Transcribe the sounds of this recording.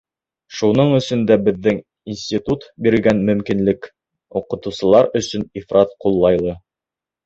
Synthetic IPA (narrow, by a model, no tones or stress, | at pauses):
ʃunɤɴɵ̆sɵ̆nd̪æbɘ̆ðːɘŋ | insʲtʲit̪ut̪biɾɘ̆ɡænmɵ̆mkinlɘk | uqɤ̆t̪ɤ̆wsɤ̆lˠɑɾɵ̆sɵnifɾʔɑt̪qulˠːɑjlˠɤ